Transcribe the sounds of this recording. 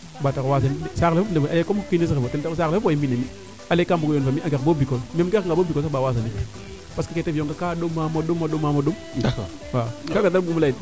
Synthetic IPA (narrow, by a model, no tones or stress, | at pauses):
batakwas̬ansaklafundebalekomkinesikeotentasaklafupajimbinemi | alekambukojonfamiaŋɡebobikolmemɡeŋɡabobikos̬abawasani | paskaketevijoŋtakaɗomːamaɗomːaɗomːamaɗom | wakaɡat̬abumulai